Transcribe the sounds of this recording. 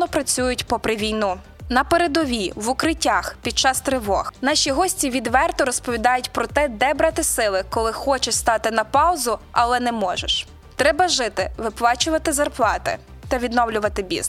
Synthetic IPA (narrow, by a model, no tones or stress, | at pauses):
nɔpɾɐt͡sʲujʊtʲpɔpɾɪʋʲijnu | nɐpeɾed̪ɔʋʲiʋʊkɾɪtʲːaxpʲid̪̚t͡ʃɑst̪ɾɪʋɔxnɑʃʲiɦɔsʲtʲiʋʲid̪ʋɛrt̪ɔɾɔspɔʋʲid̪ɑjʊtʲpɾɔt̪ɛd̪ɛbɾɑt̪ɪsɪlˠɪkɔlˠɪxɔt͡ʃɛʃst̪ɑt̪ɪnɐpɑwzʊɐlˠɛnɛmɔʒḛʃ | t̪ɾɛbɐʒɪt̪ɪʋɪplˠɑt͡ʃʊʋɐt̪ɪzɐrplˠɑt̪ɪ̰ | t̪ɐʋʲid̪nɔwlʲʊʋɐt̪ɪbʲḭz